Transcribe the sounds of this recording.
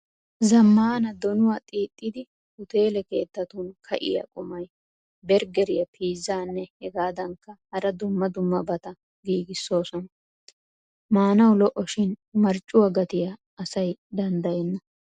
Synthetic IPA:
zɐmːaːnɐd̪ɔnʊwaːt̪ʼiːt̪ʼːɪd̪ɪ | hʊt̪e̞ːlɛke̞̰ːt̪ːɐt̪ʊnkʰɐʔɪ̰jɐ̰kʼʊmɐj | bɛɾɡɛɾɪjɐpʰiːzːaːnːɛhɛɡaːd̪ɐŋkːɐhɐɾɐd̪ʊmːɐd̪ʊmːɐbɐt̪ɐ | ɡiːɡɪsːo̞ːsɔnɐ | maːnɐwlɔʔːɔʃɪnmɐɾt͡ʃʼːʊwɐɡɐt̪ɪja | ɐsɐjd̪ɐnd̪ɐjɛnːɐ

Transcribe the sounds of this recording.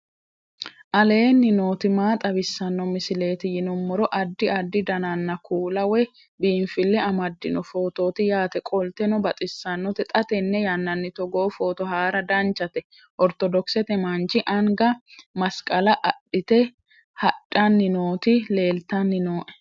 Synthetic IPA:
ʔɐle̞ːnːɪno̞ːt̪ɪmaːt̪ʼɐbɪsːɐnːɔmɪsɪle̞ːt̪ɪjɪnɔmːɔɾɔʔɐd̪ːɪɐd̪ːɪd̪ɐnɐnːɐkʰuːlɐwɛ | biːnfɪlːɛɐmɐd̪ːɪnɔfo̞ːt̪o̞ːt̪ɪjaːt̪ɛkʼɔlt̪ɛnɔbɐt̪ʼɪsːɐnːɔt̪ɛt̪ʼɐt̪ɛnːɛjɐnːɐnːɪt̪ɔɡo̞ːfo̞ːt̪ɔɦaːɾɐd̪ɐnt͡ʃːɐt̪ɛ | ʔɔɾt̪ɔd̪ɔksɛt̪ɛmɐnt͡ʃɪʔɐŋɡɐmɐskʼɐlɐʔɐɗɪt̪ɛ | hɐᶑːɐnːɪnoːt̪ɪle̞ːlt̪ɐnːɪnoːʔɛ̥

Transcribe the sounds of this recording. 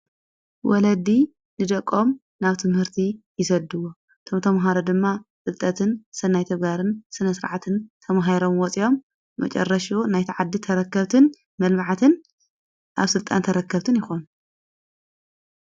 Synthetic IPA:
wɔlɐd̪i | nɨd̪ɐkʼːo̞m | naβt̪ʰɨmhɨɾt̪ʰijɪsɐd̪ːɨwo | t̪ʰo̞mt̪ʰɐmɦaɾod̪ɨmːat͡sʼɨlt̪ʼɐt̪ʰɨnsɨnajt̪ʰɐɡaɾɨnsɨnɐsɨɾʕat̪ʰɨnt̪ʰɐmɦajɾo̞mwɔt͡sʼijo̞mː | ɐ̰t͡ʃʼɐ̰rːɐʃunajt̪ʰiʕad̪ːit̪ʰɐɾɐkːɐβt̪ʰɨn | mɐlmaʕat̪ʰɨn | ʔa̰βsɨlt̪ʼa̰nt̪ʰɐɾɐkːɐβt̪ʰɨnjɪxo̞nu

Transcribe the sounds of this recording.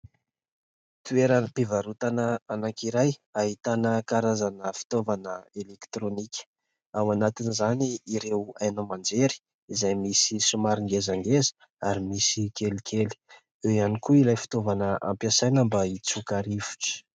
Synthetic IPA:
t̪ueɾanəpivaɾut̪anəanaŋkiɾajaɦit̪anəkaɾazanəfi̥t̪ovanəelekt̪ɾonikʲə̥ | awanat̪inizaniːɾewajnəmand͡zeɾi̥ | izajmisisumaɾiŋɡezaŋɡezə̥ | aɾimisikelikʰeli̥ | eianikuilajfi̥t̪ovanəʔa̰mpjasajnəmbait͡sukaɾifu̥ʈ͡ʂə̥

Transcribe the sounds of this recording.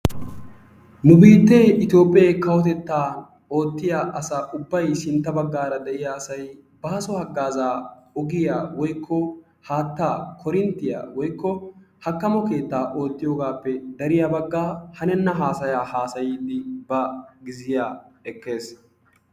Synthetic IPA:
mʊbiːt̪ːeʔɪt̪jo̞ːpʼːjɐjkɐwɔt̪ɛt̪ːaː | o̞ːt̪ːɪjaːʔɐsaːʔʊbːɐjsɪnt̪ːɐbɐɡːaːɾɐd̪ɛʔɪjaːsɐj | baːsɔhɐɡːaːzaːɔɡɪjaːwɔjkʰːɔ | haːt̪ːaːkʰɔɾɪnt̪ːɪja̰ːwɔjkːɔhɐkːɐmɔke̞ːt̪ːaːʔo̞ːt̪ːɪjo̞ːɡaːpːɛd̪ɐɾɪjaːbɐɡːaːhɐnɛnːɐɦaːsɐjaːhaːsɐjiːd̪ɪbɐɡɪzɪjaːɛkːe̞ːs

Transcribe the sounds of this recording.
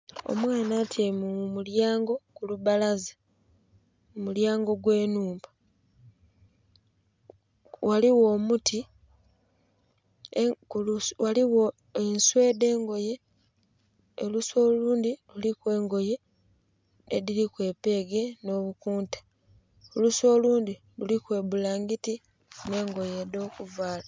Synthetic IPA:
o̞̰mwaːnatʰjemumuljaːŋɡo̞kuluβalazḁ | mumuljaːŋɡo̞ɡwe̞ːnuːmba | waliwo̞ːmutʰi | kuwaliwo | enswe̞ːde̞ːŋɡo̞je̞ | oluswo̞luːndilulikwe̞ːŋɡo̞je̞ | ḛdilikwe̞ːpe̞ːɡe̞no̞βukuːntḁ | oluso̞ːluːndi | lulikwe̞ːbulaːŋɡiti | ne̞ːŋɡo̞jedo̞ːkuvaːla

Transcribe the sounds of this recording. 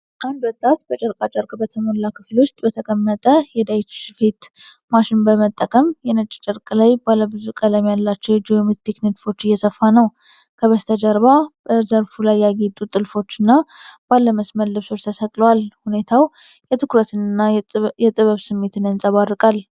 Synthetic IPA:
ʔand̪wɔt̪ʼːat̪bət͡ʃʼəɾkʼat͡ʃʼəɾkʼbət̪ʰəmolːakʰɨflwʊst̪ʼbət̪ʰəkʼəmːət̪ʼəjɛd̪ajt͡ʃfet̪ | maʃɪnbəmət̪ʼːəkʼəmjɛnət͡ʃʼːt͡ʃʼəɾkʼlajbalːəbɨzukʼələmjalːat͡ʃːɛwd͡ʒiomet̪t̪ʰeknet̪fo̞t͡ʃːɨjːɛsəfːanəw | kʰəβəst̪ʰəd͡ʒəɾβabəɾzəɾfulajːaɡet̪ʼut̪ʼːɨlfo̞t͡ʃːɨnːab̥alːəməsməlːɨβso̞t͡ʃt̪ʰəsəkʼlwalhune̞t̪ʰaw | jɛt̪ʰɨkɾət̪ʰɨnɨnːajɛt̪ʼɨβəβsɨmːe̞t̪ʰɨnɨnsʼaβarːɨkʼal

